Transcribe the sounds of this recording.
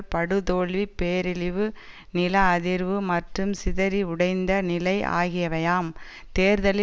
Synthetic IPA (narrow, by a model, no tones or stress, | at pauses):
pɐɽɯðoːɭʋipːeːɾɪlɪʋɯ | nɪlɐːðɪɾʋɯmɐʈrɯmsɪðɐɾiʊɽɐɪnd̪ɐnɪlɐɪʔa̰ːɣɪjɐʋɐjaːm | t̪eːɾðɐlɪ